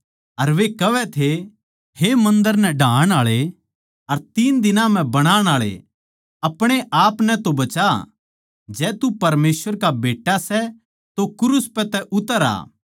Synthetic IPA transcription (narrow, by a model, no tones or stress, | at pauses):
ɐɾʋekɐʋɛt̪ʰe | hemɐ̃nd̪əɾnɛɖʱãːɽ̃aːɭe | ɐɾt̪iːnd̪ɪnãm̤ɛ̃bɐɽ̃aːɽ̃aːɭḛ | ɐpɽ̃eʔaːpnɛt̪obɐt͡ʃa | d͡ʒɛːt̪upɐɾmeːsʋəɾkabeːʈasɛ | t̪okʊɾʊspɛt̪ɛʔʊt̪əɾa̰ː